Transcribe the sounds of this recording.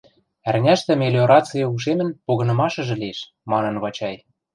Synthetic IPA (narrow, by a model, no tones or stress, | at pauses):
ærnʲæʃt̪ɘ̆melʲeoɾɑt͡sɨjɤuʃ̬emɘ̆npoɣɤ̆nɤ̆mɑʃɤ̆ʒɤ̆lieʃ | mɑnɤ̆nβɑt͡ɕɑj